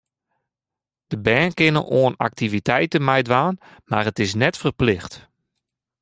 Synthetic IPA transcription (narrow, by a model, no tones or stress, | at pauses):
d̥əbɛːnkɪnə̰lʔoəna̰k̚tʰivitʰɛjtənmɛjdʋaːnmarətɪs̬nɛtfərplɪxt